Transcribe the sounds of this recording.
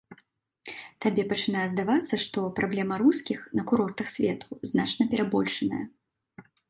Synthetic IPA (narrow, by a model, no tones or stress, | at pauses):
t̪abʲɛpɐt͡ʂɨnajɛzd̪avat̪sːɐʂt̪ɔpɾʔablʲɛmɐɾuskʲixnɐkuɾɔrt̪ɐxsʲvʲɛt̪ʰuznat͡ʂnɐpʲɛɾabɔlʲʂɐnɐ̰jɐ̰